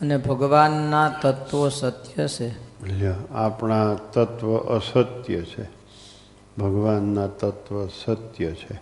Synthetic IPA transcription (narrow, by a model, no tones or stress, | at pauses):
ənebʱəɡʋanːat̪ət̪ʋəsət̪jəʃʰeəljaapɳat̪ət̪ʋəʔəsət̪jət͡ʃʰe | bʱəɡʋanːãt̪ət̪ʋəsət̪jət͡ʃʰe